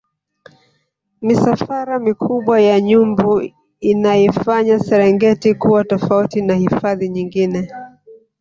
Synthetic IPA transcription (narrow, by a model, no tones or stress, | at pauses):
misafaɾamikʰuɓwajaɲumbu | inajɛfaɲasɛɾɛŋɡɛtikuwatɔfautinahifaðiɲiŋɡinɛ